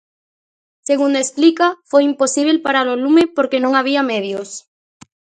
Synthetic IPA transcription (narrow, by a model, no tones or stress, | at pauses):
seɣund̪oesplikafojimposiβ̞elpaɾalolumepoɾkenõŋaβ̞iameðjos